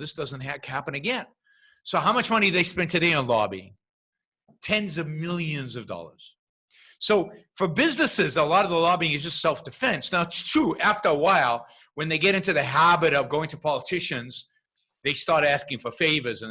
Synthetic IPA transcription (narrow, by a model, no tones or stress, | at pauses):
ðɪsd̥ʌzɨ̃n̩t̚ɦæhæpɨ̃nɨɡɛ̃n | soʊɦaʊ̃mʌt͡ʃmʌñiðeɪspɛ̃ntʰɨdeɪɨ̃nlɔ̰biɪ̰̃ŋ | tʰɛ̃nzʌvmɪlˠjɨ̃nzʌvdɔ̰lˠə̰˞z̥ | soʊfə˞bɪznɨsɪzəlɔɾʌvðəlɔbiɪ̃ŋɨzd͡ʒʌstsɛlˠfd̥ɨfɛ̃nsnaʊɨtstʰɹ̥uʔæftə˞əwaɪlˠ | wɨ̃nðeɪɡɛɾɪ̃ntʉðɨɦæbɨɾʌvɡoʊɪ̃ŋtʰəpʰɑlˠətʰɪʃɨ̃nz̥ | ðeɪstɑɹɾæskɪ̃ŋfə˞feɪvə˞zɨ̃n